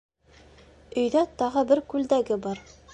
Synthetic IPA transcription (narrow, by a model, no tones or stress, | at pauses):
ɵ̆jðæt̪ɑʁɤbɘɾkʉld̪æɡɘbɑɾ